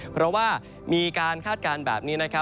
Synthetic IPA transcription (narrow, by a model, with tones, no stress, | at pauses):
pʰɾɔ˦˥waː˥˩ | miː˧kaː˧nkʰaː˥˩t̪̚kaː˧nbɛ̰ː˨˩p̚niː˦˥na˦˥kʰa˦˥